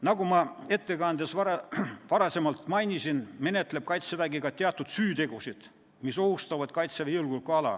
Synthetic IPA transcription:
nɑɡumɑe̞t̪ːe̞kɑnd̪esvɑɾɑvɑɾɑse̞mɑlt̪ˑmɑjnʲisinme̞ne̞t̪ːˑle̞p̚kɑjt̪sevæɡiɡ̥ɑt̪eɑt̪ːˑud̪̥syːt̪e̞ɡ̥usid̪̥ | miso̞ɦust̪ɑvɑd̪̥kɑjt̪sevejulɡulkɑlɑ̰

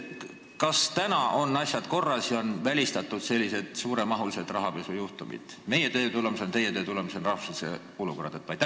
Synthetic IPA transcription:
kɑst̪ænɑʔo̞nːɑsʲjɑd̪̥ko̞rːɑsjɑo̞nvælʲist̪ɑt̪ːˑud̪̥se̞lʲːise̞d̪̥suːɾe̞mɑɦulise̞d̪̥rɑɦɑpe̞sujuht̪umḭd̪̥me̞jet̪ø̞ːt̪ulemusent̪e̞jet̪øːt̪ulemusenrɑhvu̥slisḛ | oluko̞rɑd̪̥et̪ːvɑjt̪ːæ

